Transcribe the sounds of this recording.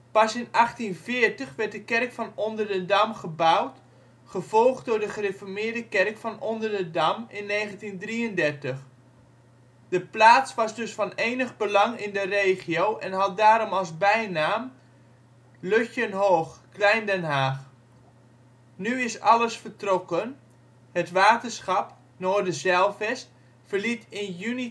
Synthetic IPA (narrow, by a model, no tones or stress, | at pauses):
pɑsɪnɑχtinvɪːrtəχʋɛrt̚dəkɛrkfɑnɔndərdədamχəbawt | χəv̥ɔlˠχtdʊːɹdəχərefɔɹmɪːɹdəkɛrkfɑnɔndərdədamɪnːeːχəntindriəndɛrtəχ | dəplaːsʋɑzdɵsfɑnejnəχbəlɑŋɪndərejχiowʔɛnɦɑt̚daːɾɔmɑlˠzbɛjnaːm | løçjənɦoːχklɛjndɛnɦaːχ | nyɪsɑləsfəɹtrokən | ɦətʋaːtəsχɑp | noːdəzɛlˠfɛst | fərlitɪnjyni